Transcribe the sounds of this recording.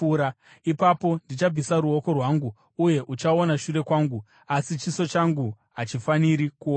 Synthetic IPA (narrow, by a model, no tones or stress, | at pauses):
ɾa | ipapo̞ndit͡ʃab͡visaɾuo̞ko̞rwaŋɡu | uje̞ʔut͡ʃao̞naʃure̞kwaːŋɡu | asit͡ʃiso̞t͡ʃaŋɡu | ɦat͡ʃifaniɾikuo